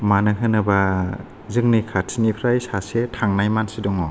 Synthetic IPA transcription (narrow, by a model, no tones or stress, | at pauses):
manɯɦɯnɯba | zɯŋnikʰatsinipʰɾajsasetʰaŋnajmansidɔŋɔ